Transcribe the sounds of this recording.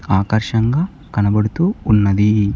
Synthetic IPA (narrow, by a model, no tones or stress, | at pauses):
aːkɐɾʃɐŋɡaː | kɐnɐbɐɽut̪uːnːɐd̪i